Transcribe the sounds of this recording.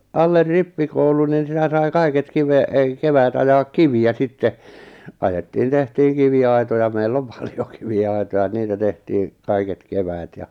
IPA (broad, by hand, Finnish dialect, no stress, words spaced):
ɑlːer ripːikoulun nin̞ sitæ sɑi kɑiket kiʋe ek keʋæːt ɑjɑːk kiʋiæ sitːe ɑjetːiːn tehtiːŋ kiʋiɑi̞tojɑ meilː om pɑ̥l̥j̊o̥ kiʋiɑi̞tojɑ niːtæ tehtiːŋ kɑiket keʋæːt jɑ